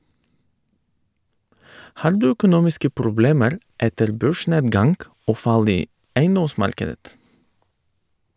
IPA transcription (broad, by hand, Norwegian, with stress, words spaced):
ˈhɑːɾ ˈdʉː œkʊˈnuːmɪskə pɾʊˈbleːməɾ ˈɛtəɾ ˈbøːˌʃɳeːdɡɑŋɡ ˈoː ˈfɑl ˈiː ˈæɪˌnɔˌsmɑɾkədət